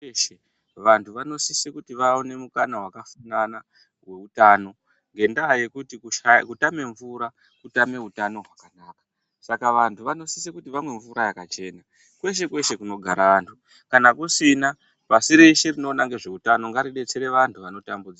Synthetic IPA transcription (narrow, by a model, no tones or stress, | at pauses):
ʃe | ʋantʰuʋano̞sisekutiʋaone̞mukanawakafanana | we̞utaːno̞ | ŋɡe̞ndaɦaje̞kutikuʃakutame̞ɱvuːɾa | kutame̞ɦutano̞ɦwakanaːkḁ | sakaʋantʰuʋano̞sisekutiʋamwe̞ɱvuɾajakat͡ʃe̞ːna | kwe̞ʃe̞kwe̞ʃe̞kuno̞ɡʱaɾaʋantʰu | kanakusina | pasiɾeʃerino̞ːnaŋɡe̞ʐe̞utano̞ŋɡaɾiɗe̞t͡se̞ɾe̞ʋantʰuʋano̞tambud͡zia